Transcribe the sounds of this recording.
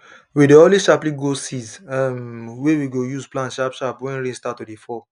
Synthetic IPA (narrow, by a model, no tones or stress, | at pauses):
wideoliʃaplĩɡosizɛmwewiɡojuzplãnʃapʃapwɛ̃nɾĩnstatːudifɔ